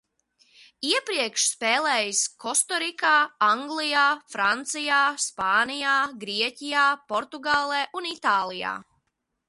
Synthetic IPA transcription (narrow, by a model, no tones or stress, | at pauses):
iɛpɾiɛkʃspɛːlˠɛːjskɔst̪ɔɾikaːaŋɡlˠijaːfɾant̪sijaːspaːnijaːɡɾiɛcijaːpɔɾt̪uɡaːlˠeːʔunit̪aːlˠija̰ː